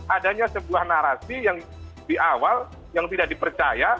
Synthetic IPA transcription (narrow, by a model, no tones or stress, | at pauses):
ʔadaɲasəbuahnaɾasijaŋ | diʔawal | jaŋt̪idaʔdipərt͡ʃaja